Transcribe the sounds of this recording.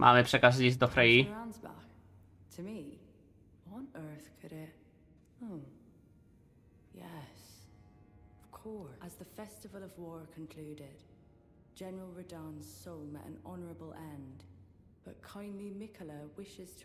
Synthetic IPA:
mʔa̰lɛpʰrɛkas̬is̬d̪ɔfɾejiɹãnzba̰k | tʰəmi | wʌnɜ˞θkʰɨɾɪt̚ | oʊ | jɛs | ʌv̥kʰɔɹəzðəfɛstɪvəlˠəvwɔːɹkʰə̃nkʰl̥ʉːdɪd̥ | d͡ʒɛnəɹəlˠɹədãnz̥sõʊmə̰ʔə̰̃nɔnəɹəbəlˠʔɛ̃n | b̥ʌʔkʰãɪ̃ndˡlimɪkʰəlˠəwɪʃɪz̥tʰ

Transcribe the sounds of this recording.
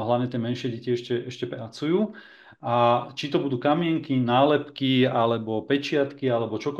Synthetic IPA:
ɦlaʊɲɛt̪ɪɛmɛnʃɪɛɟɛciɛʃcɛʔɛʃcɛpɾat͡sujuː | ʔat͡ʃit̪ɔbud̪uːkamɪɛŋkinaːlɛpkialɛbɔpɛt͡ʃɪat̪kialɛbɔt͡ʃɔk

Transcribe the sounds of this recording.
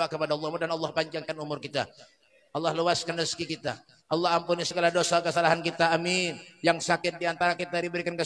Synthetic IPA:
akəpadaɑlːɔhmudanɑlˠːɑhpaɲd͡ʒaŋkanumʊrkit̪a̰ | ʔɑlˠːɑhləwaskanəskikit̪a̰ | ʔɑlˠːɑhampunisəɡalahdosakəsalaɦankit̪aːminjaŋsakɪt̪̚diant̪aɾakit̪adibəɾikankə

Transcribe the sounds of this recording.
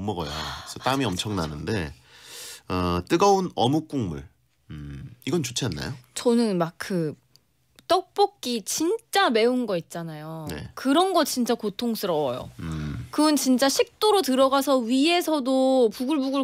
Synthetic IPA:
mːʌɡʌ̰jo̰sʰʌt͈aɯmiʌmt͡ɕʰʌŋna̰nɯnde̞̰ | ʌt͈ɯɡʌunʌmuk͈uŋmṵɭ̩ | iɡʌnt͡ɕot͡ɕʰianːa̰jot͡ɕʌnɯnmak̚kʰk͈ɯ | t͈ʌk̚p͈ʌk̚k͈it͡ɕint͡ɕ͈ame̞unɡʌit̚t͡ɕ͈anajonne̞̰kɯɾʌnɡʌt͡ɕ͈int͡ɕ͈akotʰoŋsʰɯɾʌʌjo̰kɯunt͡ɕint͡ɕ͈aɕʰik̚t͈oɾotɯɾʌɡasʰʌɥie̞sʰʌdopuɡuɭbuɡɯɭ

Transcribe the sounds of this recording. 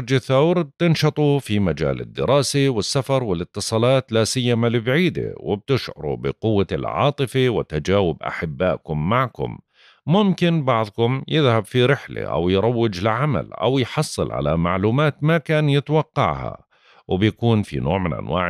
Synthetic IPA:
ɾd͡ʒɪθːawɾb̚t̪ɪnʃɑt̪ˤufimad͡ʒa̰ːlɪ̰d̪ːɪ̰ɾˤɑːsiwɪsːafɑɾˤwɪlɪt̪ːɨsˤɑːlɑːt̪lasɪjːamalɪbʕiːd̪ɪ̰wɪb̚t̪ɪʃʕʊ̰ɾˤṵbɪ̰qʊwːalʕɑ̰ːt̪ˤɨfiwɪt̪ad͡ʒaːwɪbʔa̰ħɪbːaːʔkʊmːaʕkʊ̰m | mʊmkɪnbɑʕðˤkʊmjɪðhabfiɾɪħlḛʔa̰wjɾˤɑwːɪd͡ʒlɪʕama̰lʔa̰wjħɑsˤːɨlʕa̰la̰maʕluːmaːt̪makaːnjɪt̪wɑqːɑ̰ʕha̰ | wɪbjakuːnfḭnoːʕmɪnʔa̰nwa̰ːʕ

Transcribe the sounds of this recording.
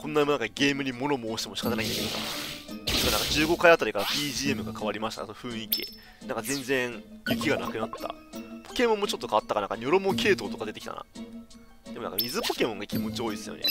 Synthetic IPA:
konːaimãŋkaɡe̞ːmɯ̟ɲ̟imo̞no̞moːɕi̥t̪emo̞ɕi̥kat̪anaĩd̪emeka̰ | sɨkanãŋkad͡ʑɨːɡo̞kaiat̪aɾʲikaɾapʲiːʑiːe̞mɯ̟ɡakʰaβaɾʲimaɕi̥t̪a̰sonoɸɯ̟̃ɰ̃ikʲḭ | nãŋkazẽ̞nd͡zẽ̞ɰ̃ŋjɯ̟k̬ʲiɡanakɯ̟nat̪ːa̰po̞̥ke̞mõmːot͡ɕo̞t̪ːo̞kaβat̪ːakanã̰ŋkaɲʲo̞ɾomo̞ke̞ːt̪o̞ːt̪o̞kad̪et̪ekʲit̪a̰na̰ | d̪e̞moã̰ːkamʲizɨpo̞kʲe̞mõ̞ŋɡakʲimo̞t͡ɕio̞ːisɨjonḛ

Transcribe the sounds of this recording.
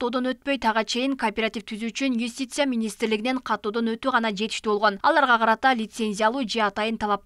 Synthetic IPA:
o̞d̪o̞nøt̪̚pø̞jt̪ʰɑʁɑt͡ʃʰe̞jɪŋkʰoːpʲeɾat̪ʲift̪ʰyzyyt͡ʃynjusʲt̪ʲijt̪sɨjamʲinʲijst̪ɪɾlɪɡʲiɪne̞ɴqʰɑt̪ːo̞ːd̪o̞nøt̪yʁɑnɑd͡ʒe̞t̪ɪʃt̪ybo̞lˠʁo̞nɑ̰lˠɑɾʁɑqʰɑɾɑt̪ɑlʲit̪se̞nʲzʲijalˠuːd͡ʒe̞ɑt̪ɑjənt̪ʰɑlˠɑp̚

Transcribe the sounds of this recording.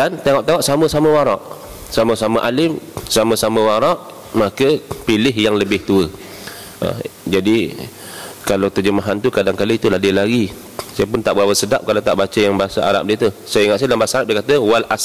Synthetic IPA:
dant̪eŋɔʔt̪eŋɔʔsamə̃saməwaɾɔʔ | saməsaməʔalɪmsamə̃samə̃waɾɔʔ | makəpilɪɦjaŋləbɪht̪uə | a̰d͡ʒadi | kalat̪ərd͡ʒəmaɦant̪ukadaŋkalit̪uladilaɡi | sajəp̬ʊnt̪aʔbəawəsədap̚kalawt̪a̰ʔbat͡ʃəjaŋbaɦasaa̰ɾa̰p̚diət̪usəiŋaʔ̪s̬ajdlambaasaaɾap̚diekat̪əwalas

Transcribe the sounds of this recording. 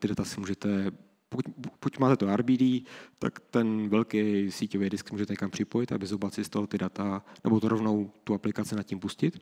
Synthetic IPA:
t̪ɪdat̪asɪmuːʒɛt̪ɛ | pokuckucmaːt̪ɛt̪oʔaɾbiːdiːt̪a̰kt̪ɛnvɛlkɛjsiːcovɛjdɪsksɪmuːʒɛt̪ɛɲɛkampr̝̥ɪpo̞jɪt̪a̰bɪzobat͡sɪst̪alot̪ɪdat̪anɛbot̪oɾovno̞wt̪uaplɪkat͡sɪnat̪̚cimpuscɪt̪

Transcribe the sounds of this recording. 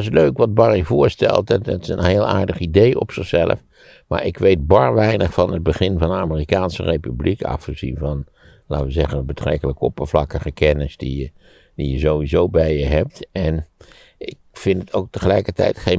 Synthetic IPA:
sløkʋɑd̚bɑrivʊːɹstɛ̰lˠttɪsənɦeːlˠa̰ːɹdəχidejɔ̰psɪχsɛlə̰f | ma̰ːɹɪkʋejd̚bɑɹʋɛjnəχfɑnəd̚bəχɪnvɑndəaːmərikaːnsərejpyblikʰɑ̰fχəzḭnvɑn | laːtʋəzɛχənbətrɛ̰kələkɔpəvlɑkəχəkɛnɪsdiə | dijəzowʋizowbɛjjəɦɛp̚tɛn | ɪk̚fɪntətʰowk̚təχəlɛjkətɛ̰jtχe

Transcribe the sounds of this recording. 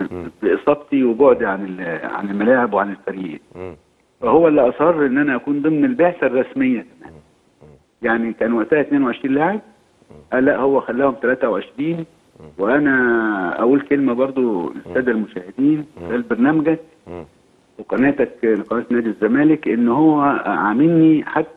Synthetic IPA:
beʔesˤɑb̚t̪ˤiweboʕd̪iʕanelʕa̰nelmælaːʕebweʕanelfæɾjiʔḛː | fæhowːælːiʔɑsˤhɑrˤːʔenːʔænæʔækuːnd̪ˤemnelbeʕsærˤːɑsmejːæk̪æmæ̰ːn | jaʕnikæːnwæʔsæːhæt̪neːnweʕeʃɾiːnlaːʕeb̚ | ʔæːlːæʔhowːæxælːæːhomt̪ælæːt̪æʔweʕeʃɾiːn | weʔænæʔæ̰ʔulkelmæbɑɾˤd̪ˤolʔo̰st̪æːd̪ælmoʃæːhed̪iːnwesæːlbɑɾˤnæːmæɡæk̚ | weqɑnæːt̪ækleqɑnæːt̪nːæːd̪izːæmæːlɪkʔenːhowːæʕamɪlːiħat̪ːæ

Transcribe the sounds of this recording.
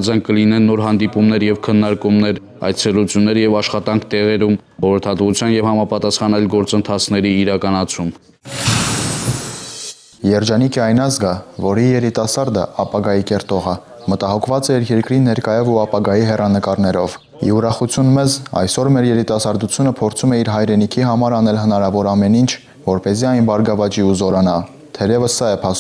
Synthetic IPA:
d͡zɑŋkəlinɛnːɔɾɦɑnd̪ipumnɛɾjɛvkʰənːɑɾkumnɛɾ | ɑ̰jt͡sʰɛlut͡sʰjunːɛɾjɛvɑʃχɑt̪ɑŋkʰt̪ɛʁɛɾum | χɔɾəɾt̪ʰɑt̪vut͡sʰjɑnjɛvhɑmɑpɑt̪ɑsχɑnɑjlɡɔɾt͡sənt̪ʰɑt͡sʰn̪ɛɾiːɾɑkɑnɑt͡sʰum | jɛɾd͡ʒɑnikʰɛɑjnɑzɡɑvɔɾijɛɾit̪ɑsɑɾd̪ə̰ɑpɑɡɑjikɛɾt̪ɔʁə | mət̪ɑɦɔkʰvɑt͡sɛiɾjɛɾkɾinɛɾkɑjɔvuɑpɑɡɑjiɦɛrɑnəkɑɾnɛɾɔv | ḭuɾɑχut͡sʰjunmɛzɑ̰jsɔɾmɛɾjɛɾit̪ɑsɑɾd̪ut͡sʰjunəpʰɔɾt͡sʰumɛiɾɦɑjɾɛnikʰiɦɑmɑɾɑnɛlɦənɑɾɑvɔɾɑmɛnint͡ʃʰ | vɔɾpɛziɑjnbɑɾɡɑvɑt͡ʃiuzɔɾɑnɑ | t̪ʰɛɾɛvəsːɑɛpʰɑ

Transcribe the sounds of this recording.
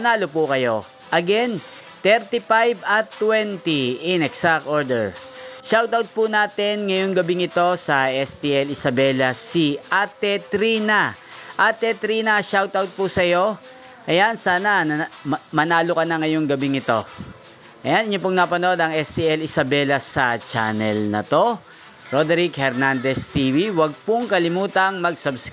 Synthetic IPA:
ɐnaːlopʊkɐjo̞̰ | ʔɐɡɛn | t̪ɛɾt̪ipajbɐt̪ːwɛnt̪iɪnɛksak̪̚ʔoɹd̪ɛɹʃawt̪awt̪̚pʊnaːt̪ɪnŋɐjoŋɡɐbɪŋɪt̪o̞sɐʔɛst̪iɛlɪsɐbɛlɐsiʔat̪ɛt̪ɾinɐʔat̪ɛt̪ɾiːnɐʃawt̪awt̪̚pʊsɐjo̞ | ʔɐjansaːnɐnɐmɐnaːlʊkɐnɐŋɐjo̞ŋɡɐbiŋɪt̪o̞ | ʔɐjanɪɲːop̬ʊŋnɐpɐno̞d̪ɐŋɛst̪iɛlɪsɐbɛlɐsɐt͡ʃa̰nɛlnɐ̰t̪o̞ | ɾod̪ɾikhɛɾnand̪ɛst̪iːviwɐɡ̚pʊŋkɐlɪmuːt̪ɐŋmɐɡ̚sɐbs

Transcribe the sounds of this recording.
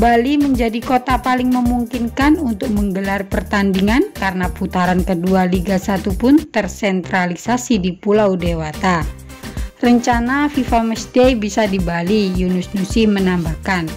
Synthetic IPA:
baliməɲd͡ʒadikot̪apalɪŋməmuŋkinkanunt̪ʊk̚məŋɡəlarpərt̪andiŋankaɾənaput̪aɾankədualiɡasat̪upʊnt̪ərsɛnt̪ɾalisasidipulaudewat̪a | rəɲt͡ʃanafifamɛsdeibisadibalijunʊsnusɪmənambahkan

